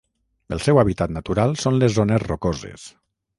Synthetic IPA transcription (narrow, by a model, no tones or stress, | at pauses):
ə̰lˠsɛwaβit̪at̪nat̪uɾalˠsonlezːonezrokozḛs